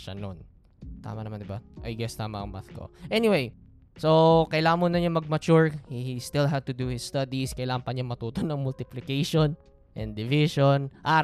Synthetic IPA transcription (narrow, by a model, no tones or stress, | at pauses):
ʃɐ̰no̰n | t̪a̰ːmɐnɐmand̪ɪbaʔɐjɡɛst̪aːmɐɐŋmaθko̰ʔɛnɪwej | sokɐjlaːmonɐɲamɐɡ̚mɐt͡ʃuɹhist̪ɪlɦad̪̚t̪ʊd̪uhɪst̪ɐd̪iskɐjlaːɐnpɐɲaŋmɐt̪uːt̪onɐŋmʊlt̪ɪplɪkejʃon | ʔɛ̃nd̪d̪ɪvɪʃonʔaːɾ